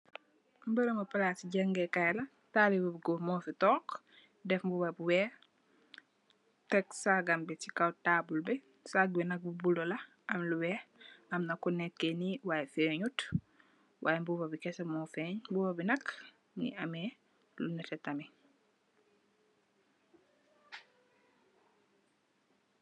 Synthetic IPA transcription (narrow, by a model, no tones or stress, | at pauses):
mbəɾəmɐpɐlaːtiɟɐŋɡɛkajlɐ | talibubiɡɔmɔːfitɔːk | dɛfmbubɐbiwɛː | tɛksaɡɐmbitikawtaːbulbɛ | saɡ̚binɐk̚bubulɔlɐ | ɐmluwɛːɐmnɐkunɛkːɛniwaːjɛfɛːɲut | wʔaːjembubɐbikɛsɐmɔːfɛːɲmbubɐbinɐk | nḭɐmɛ | lunɛtɛtɐmi